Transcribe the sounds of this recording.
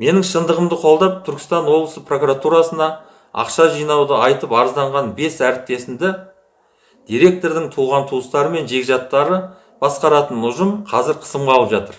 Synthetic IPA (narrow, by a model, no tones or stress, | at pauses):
me̞nɪŋʃənd̪əʁəmd̪əqʰo̞lˠd̪ɑp̚t̪ʰʏɾkʲɪ̥st̪ɑnwo̞blˠəsəpro̞kuɾat̪uɾɑsənɑ | ɑ̰qʃɑʒijnɑwd̪əɑjt̪əpɑɾəzd̪ɑɴʁɑnbe̞sæɾɪp̚t̪e̞sɪnd̪ɪ | d̪̥ijɾe̞k̚t̪o̞ɾd̪ɪŋt̪ʰuʁɑnt̪ʰuəst̪ɑɾəme̞nʒe̞ɡʲɪʒɑt̪ːɑɾə | b̥ɑsqɑɾɑt̪ənʊʒəmqʰɑzɪɾqʰə̥səmʁɑlˠəpʒɑt̪əɾ